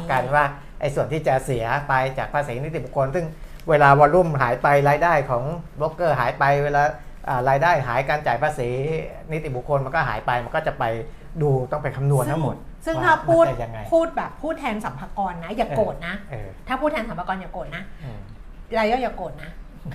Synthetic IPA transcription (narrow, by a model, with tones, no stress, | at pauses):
ka˧nwaː˥˩ | ʔa˧jsu˨˩ənt̪ʰiː˥˩t͡ɕa˨˩si˩˦ɐpa˧jt͡ɕaː˨˩k̚pʰaː˧siː˩˦ni˦˥t̪i˨˩bu˨˩kʰo˧nsɯ˥˩ŋ | weː˧laː˧wɔ˧ɾu˥˩mɦaː˩˦jpa˧jɾaː˧jdaː˥˩jkʰɔː˩˦ŋbo˦˥kːɤː˥˩ɦaː˨˩˦jpa˧jweː˧laː˧ | ʔaː˨˩ɾaː˧jdaː˥˩jɦaː˩˦jkaː˧nt͡ɕaː˨˩jpʰaː˧siː˩˦ | ni˦˥t̪i˨˩bu˨˩kʰo˧nma˧nkɔː˥˩ɦa̰ː˩˦jpa˧jma˧nkɔː˥˩t͡ɕa˨˩pa˧j | duː˧t̪ɔ˥˩ŋpa˧nkʰa˧mnu˧ənʰa˥˩ŋmo˨˩t̪̚ | sɯ˥˩ŋ˦t̪ʰaː˥˩pʰːuː˥˩a˧˩ja˧ŋːa˧jpʰuː˥˩t̪̚bɛː˨˩pʰːuː˥˩t̪ʰɛː˧nsa˩˦mpʰaː˧kɔː˧nːa˦˥jaː˨˩koː˨˩t̪̚na˦˥ʔːt̪ʰaː˥˩pʰuː˥˩t̪ʰɛː˧nsa˨˦mpa˧kɔː˧nja˨˩koː˨˩t̪̚na˦˥˧ | ɾaː˧jɔː˥˩ja˨˩koː˨˩t̪̚na˦˥